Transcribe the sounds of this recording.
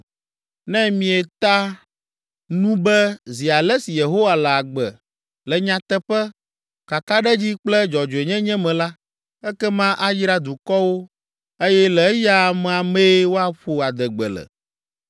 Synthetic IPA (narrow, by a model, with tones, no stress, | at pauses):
nɛ̃˦mĩ˨ɛ˨t̪a˦ | nũ˦bɛ˦zi˨a˨lɛ˦si˨je˨ɦo˦wa˨lɛ˨a˨ɡ͡bɛ̰˨ | lɛ˨ɲã˨t̪ɛ˦ɸɛ˦ | ka˨ka˦ɖɛ˦d͡ʑi˦k͡plɛ˦d͡ʒɔ˨d͡ʒo˨e˨ɲɛ̃˦ɲɛ̃˦mɛ̃˨la˦ | ɛ˦kɛ˦mã˦ʔa˦ji˦ɾa˦d̪u˨kɔ˦wo˦ | e˦jɛ˦lɛ˨˦ja˦˨mɛ̃˨a˨me˦wo˦a˨ɸo˨a˨d̪ɛ˨ɡ͡bɛ̰˨lɛ̰˨